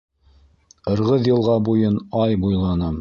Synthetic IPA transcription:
qɤ̆ɾʁɤðjɤ̆lˠʁɑbujɤnɑjbujlˠɑnɤ

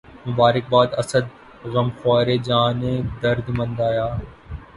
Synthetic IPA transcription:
mʊbaːɾɪk̚baːd̪ɐsəd̪̚ | ɣɐmxwaːɾeːd͡ʒaːnẽːd̪əɾd̪mɐ̃nd̪aːjaː

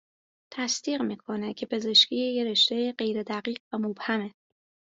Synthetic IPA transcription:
t̪ʰæsd̪iːɢmiːkʰonecʰe̞pʰe̞ze̞ʃcʲʰiːjeɾe̞ʃt̪e̞jeɢe̞jɾed̪æɢiːɢvæmob̥hæme

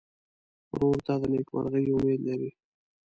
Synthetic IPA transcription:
ɾoːɾt̪ɑd̪əneːkwa̰ɾɣəiʊmeːd̪laɾi

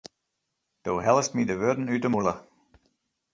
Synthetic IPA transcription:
d̥oːɦɛlˠstmidəʋødn̩yːtəmulə

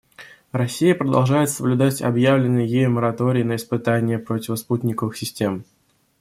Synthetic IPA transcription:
rɐsʲːijəpɾəd̪ɐ̰lˠʐajɪt̪səblʲʊd̪atʲɐ̰bjavlʲɪnːɨjəjejʊməɾɐt̪o̞ɾʲɪɪnəɪspɨt̪anʲɪjəpɾotʲɪvəsput̪ʲnʲɪkəvɨxsʲɪsʲtʲe̞m

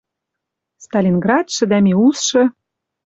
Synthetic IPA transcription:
st̪ɑlʲinɡrɑt̪ʃɘ̆d̪æmʲiusʃɤ̆

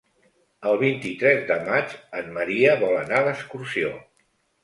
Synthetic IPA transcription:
əlˠβint̪it̪ɾɛzd̪əmad͡ʒənməɾiəβɔlənaləskursio

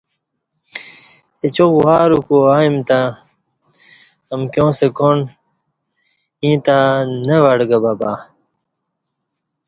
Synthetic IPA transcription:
et͡ɕokwaːɾukuaːimt̪a | ɐmkjõːsekon | ĩːt̪anɐʋɐɽɡɐbaba

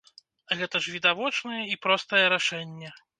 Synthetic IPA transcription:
ɣɛt̪ɐʐvʲid̪avɔt͡ʂnɐjɛipɾɔst̪ɐjɛɾaʂɛnʲːɛ

